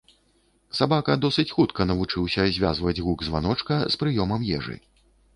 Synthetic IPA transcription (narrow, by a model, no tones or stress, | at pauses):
sabakɐd̪ɔsɨt͡sʲxut̪kɐnɐvut͡ʂɨwsʲɐzʲvʲa̰zvɐd͡zʲɣuɡzva̰nɔt͡ʂkɐspɾɨjɔmɐmjɛ̰ʐɨ̰